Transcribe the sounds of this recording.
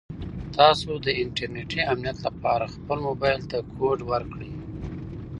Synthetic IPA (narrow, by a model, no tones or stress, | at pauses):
t̪ɑsod̪əɪɳʈaɾneʈiamnijat̪lapɑɾaxpəlmobɑjlt̪akʰoɖwəɾkɽəj